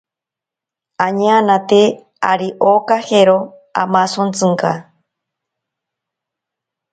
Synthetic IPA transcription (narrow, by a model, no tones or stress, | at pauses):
aɲeanat̪e | a̰ɾiʔokaheɾo | a̰masont͡sɨŋka̰